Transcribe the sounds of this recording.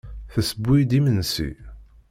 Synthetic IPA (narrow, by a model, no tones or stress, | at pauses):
θəsəbʷːid̪imənsḭ